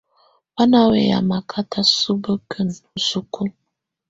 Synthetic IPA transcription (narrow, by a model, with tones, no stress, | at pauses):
wa˦na˦wḛ˨ja̰˨ma˨kʰa˦ta˦su˦bə˦kʰə˦˨n˨su˦ku˦